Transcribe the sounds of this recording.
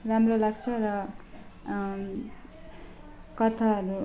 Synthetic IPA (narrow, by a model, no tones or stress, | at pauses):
ramrolaɡt͡sʰʌɾʌ | kʌt̪ʰaɦʌɾu